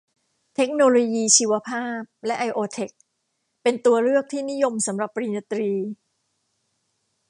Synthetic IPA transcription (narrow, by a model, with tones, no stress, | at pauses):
t̪ʰe˦˥k̚noː˧loː˧jiː˧t͡ɕʰiː˧wa˧pʰaː˥˩p̚lɛ˦˥ʔa˧jʔoː˧t̪ʰe˨˩k̚ | pe˧nt̪u˧ɐɾɯ˥˩ək̚t̪ʰiː˥˩ni˦˥jo˧msa˩˦mɾa˨˩pːɾiː˧na˧t̪ɾiː˧